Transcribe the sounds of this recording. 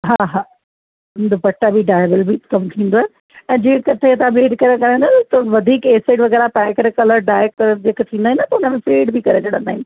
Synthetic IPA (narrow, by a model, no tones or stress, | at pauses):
ɦaːɦaː | ʊ̃nd̪opɐʈːabiɖaːɪbəlbikɐmt̪ʰĩːn̆d̪oaːɦe | ɛ̃ːd͡ʑẽːkɐt̪ʰeɐt̪ãbeːɖkɐɾekɐɾə̃nd̪at̪ɐʋɐd̪ʱiːkeːseːɖʋɐɣɛːɾapɛːkɾekɐləɾɖaːek̚d͡ʑeːkt̪ʰĩːnd̪aɦĩnət̪ɐʊnəmẽfeːɖbɪkɐɾet͡ɕɐɽə̃nd̪aːɦĩn